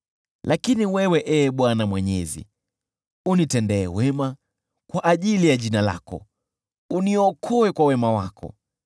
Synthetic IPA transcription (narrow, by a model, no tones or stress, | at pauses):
lʔakiniwɛwɛʔɛɓwanamwɛɲɛ̰zḭ | unitɛndɛ̰ːwɛma | kwaʔaʄilijaʄinala̰kɔ̰ | uniɔkʰɔɛkwawɛmawakʰɔ̰